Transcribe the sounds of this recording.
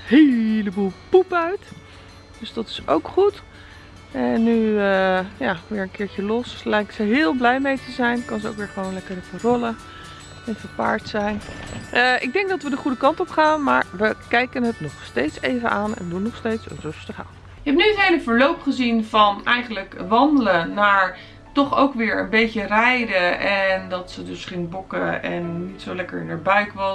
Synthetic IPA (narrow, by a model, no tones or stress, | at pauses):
ɦejləbulˠpupœɥt | d̥ɵsdɑtɪ̥so̰wkχut | ɛnːyəjaːʋɪːɹənkɪːɹcəlɔslɛjksəɦɪːlˠblɛjmejtəzɛjnkɑnzəo̰wkʋɪːɹχəʋownlɛkəɹəfərɔlə | ɛnfəɹpa̰ːɹtsɛjnəʔɪɡ̚dɛŋɡ̚dɑtʋədəχudəkɑntɔpχaːnmaːɹʋəkɛjkənɦətnɔχstejtsejvənaːnɛ̰ndunːɔχstejtsrɵstəχa̰ːn | ɪkɦɛp̚nyətɦejləvəɹlowpχəzinvɑnɛjχənləkʋɑndələnaːɹ | tɔχowkʋɪːɹə̰nbejcərɛjdəɛndɑtsədɵsχɪŋbɔkəɛnːitsowlɛkəɹnaɹbœɥkʋɑ